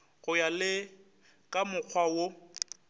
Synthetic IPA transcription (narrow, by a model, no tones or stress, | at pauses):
ɣʊjalɪ | kʼamʊk͡xʰwawo